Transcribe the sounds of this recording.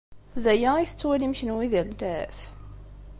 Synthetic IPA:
ðæjæiθə̥t͡sːwilimçənwiðild̪æf

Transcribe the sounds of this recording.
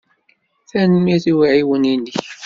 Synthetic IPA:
θænəmiθiwiʕiwəninːəç

